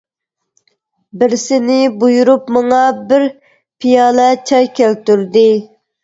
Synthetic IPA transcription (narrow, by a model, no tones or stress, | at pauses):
bɪɾsɪnɪbujuɾupmɑŋɑbɪɾ | pʰijɑːlɛt͡ʃʰɑjkʲʰælt̪yɾd̪ɪ